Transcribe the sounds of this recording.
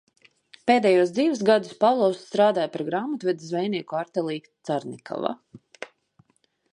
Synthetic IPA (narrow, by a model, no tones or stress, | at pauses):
peːd̪ɛjuɔd̪ziːvus̬ɡad̪u̥spavlˠɔwsːt̪ɾaːd̪aːjpaɾɡɾaːmat̪uvɛd̪zvɛjnʲiɛkuaɾt̪ɛlˠiːt̪saɾnʲikʰɔ̰va̰